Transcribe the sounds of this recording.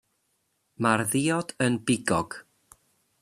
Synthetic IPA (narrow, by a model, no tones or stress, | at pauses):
marðiɔd̥ənbɪɡɔɡ̥